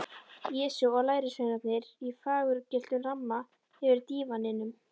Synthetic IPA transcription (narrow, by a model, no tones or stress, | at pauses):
ɛːsuwɔɣlaːjɾɪsejnat̪nɪɾifaːɣʏɾcɪl̥t̪ʏnr̥amːa | ɛvɪɾt̪iːvanːɪnʏm